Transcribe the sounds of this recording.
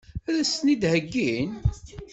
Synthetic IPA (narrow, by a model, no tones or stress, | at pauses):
æɾæsnid̪həɡːin